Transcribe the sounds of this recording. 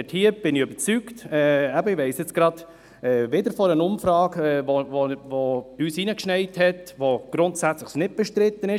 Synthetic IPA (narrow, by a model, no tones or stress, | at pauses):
thiːəb̥ɪnɪøbəɾt͡syktɛːæbəiʋɛɪsjɛt͡sɡ̥ɾɑd̥ | ɛʋɪdəɾfɔɾənʊmfɾɑːɡɛovovoyːsiːnəkʃnɛɪthɛtʋoɡ̥ɾʊntsæt͡sləχsnɪt̚b̥ɛʃtɾɪt̪ːənɪ